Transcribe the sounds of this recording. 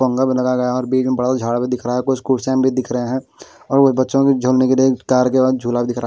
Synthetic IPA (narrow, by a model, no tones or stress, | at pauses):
ə̃ŋɡabʱĩlɐɡaɡɐjaɔːɾbiːd͡ʒmebəɽasad͡ʒʱaːɽabʱid̪ɪkʰɾaaɦɛkʊt͡ʃskuːʈsãːmbʱid̪ɪkʰɾəɦeɦɛ̃ | ɔːɾobətːʃõkid͡ʒʱoːlnekeliekaːɾkebaːd̪̚d͡ʒʱuːlabʱid̪ɪkʰɾa